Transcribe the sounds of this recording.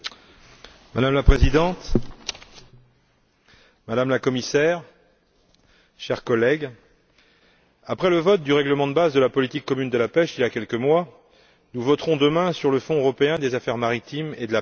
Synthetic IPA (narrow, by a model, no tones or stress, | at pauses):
mad̪amlapχezid̪ɑ̃t̪ | mad̪amlakɔmisɛʁ | ʃɛʁkɔlɛɡ | apχɛləvɔt̪̚d̪yʁɛɡləmɑ̃d̪əbazd̪əlapɔlit̪ikːɔmynd̪əlapɛʃiljakʲɛlkəmwa | nuvɔt̪χɔ̃d̪əmɛ̃syʁləfɔ̃øʁɔpeɛ̃d̪ezafɛʁmaʁit̪imed̪əla